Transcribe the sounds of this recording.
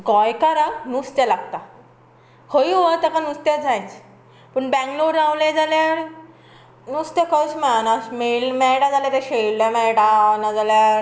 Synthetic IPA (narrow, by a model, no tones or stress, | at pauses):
ɡɔjkaɾanust̪jalaɡt̪a | hoiʋət̪akanust̪jad͡zajt͡s | pəɳbɛ̃ŋkloɖɾawled͡zalaɽ | nust̪jakəsmɛɭanasmelmɛɽad͡zaljat̪eɕellamɛɽanad͡zalja